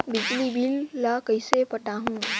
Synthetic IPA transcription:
bɪd͡ʒlibʱilːakəisepəʈaɦũː

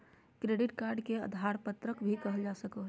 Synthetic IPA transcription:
kɾeɖɪʈkaɾɖkeə̰d̪ʱaɾpət̪ɾəkbʱikəɦəld͡ʒasəko

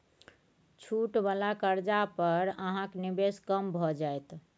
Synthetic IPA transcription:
t͡ʃʰuʈbalakəɾd͡ʒapəɾəɦãknibeskəmbʱɔd͡ʒajt̪

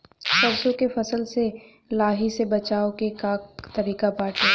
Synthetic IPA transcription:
sɐbsõkefɐsəlse | laːɦisebɐt͡ʃaːokekaːkt̪ɐɾiːkapaːʈĩ

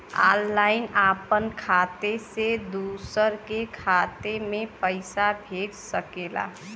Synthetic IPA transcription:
a̰lːaɪnapənkʰat̪esed̪usəɾkekʰat̪emẽpəɪsabʱeɡsəkela̰

